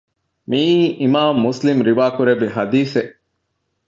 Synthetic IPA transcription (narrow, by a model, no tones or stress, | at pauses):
miːʔimaːmːuslimɾiʋaːkuɾebiɦɐd̪iːseʔ